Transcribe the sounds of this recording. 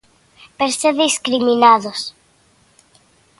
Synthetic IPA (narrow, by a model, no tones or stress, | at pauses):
peɾseðiskɾiminaðos